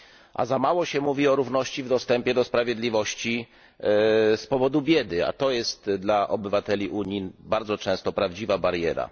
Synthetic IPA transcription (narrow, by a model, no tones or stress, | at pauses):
ʔa̰zamawɔɕɛmuvʲiɔɾuvnɔɕt͡ɕivd̪ɔst̪ɛmpʲjɛd̪ɔspɾavʲjed̪lʲivɔɕt͡ɕi | spɔvɔd̪ubʲjɛd̪ɘa̰t̪ɔjɛst̪d̪laʔɔbɘvat̪ɛlʲiʔuɲinbaɾd̪zɔt͡ʂɛ̃w̃st̪ɔpɾavd͡ʑivabaɾjɛɾa̰